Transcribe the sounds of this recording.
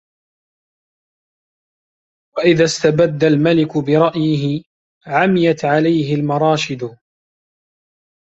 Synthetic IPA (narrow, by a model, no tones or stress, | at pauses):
waʔɪðast̪abad̪ːalmalɪkʊbɪɾˤɑʔjɪɦɪ | ʕamɪjat̪ʕalajɦɪlmɑɾˤɑːʃɪd̪ʊ